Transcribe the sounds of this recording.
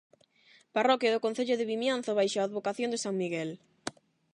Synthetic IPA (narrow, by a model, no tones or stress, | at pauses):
parɔkjaðʊkõn̟θeʎʊðɪβimjanθʊβajʃaaːðβokaθjõnd̪ɪsaŋmiɣɛl